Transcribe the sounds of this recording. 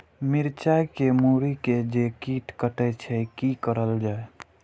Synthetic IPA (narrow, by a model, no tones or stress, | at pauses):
miɾt͡ʃajkemuɾiked͡ʒekiʈkəʈɛt͡ʃʰɛkikəɾəld͡ʒae